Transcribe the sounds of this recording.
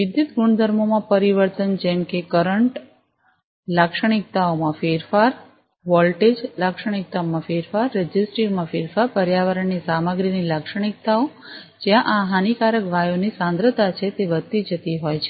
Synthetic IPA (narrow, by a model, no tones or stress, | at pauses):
ʋid̪it̪ɡuɳd̪ʱəɾmomãpəɾiʋəɾt̪ənd͡ʒɛmkekəɾəɳʈ | lakʃəɽ̃ik̚t̪aomãfeɾfaɾ | ʋɔlʈed͡ʒlakʃəɽ̃ik̚t̪aomãfeɾfaɾːɛd͡ʒisʈɾiɾmãfeɾfaɾpəɾjaʋəɾəɳːisaməɡɾinilakʃəɽ̃ik̚t̪ao | d͡ʒjãʔaɦanikaɾəkʋajonisãnd̪ɾət̪at͡ʃʰet̪eʋət̪ːid͡ʒət̪iɦojt͡ʃʰe